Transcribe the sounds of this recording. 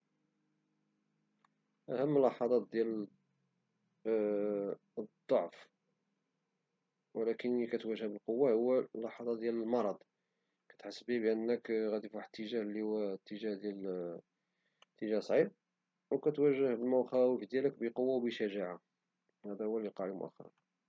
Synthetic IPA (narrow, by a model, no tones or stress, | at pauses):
ʔæhəmːəlːɑħɑd̪ˤɑt̪̚d̪jæl | d̪ˤːoʕf | wəlækənikæt̪wæʒːæhbəlqowːahʊwːælːɑħɑd̪ˤɑd̪jæləlmɑɾˤɑd̪ˤ | kæ̥t̪ħəsːbibəʔənːəkɣæd̪ifuħt̪ːəʒæhlihʊwːæt̪ːəʒæhd̪jæl | t̪ːəʒæsˤʕib̚ | wkæt̪wæʒːəhbəlmæxæwəfd̪jæləkbəqowːawbəʃæʒaʕa | hæd̪æhʊwːæliqɑʕimʊ̰ʔæ̰xːɑ̰ɾˤɑ̰n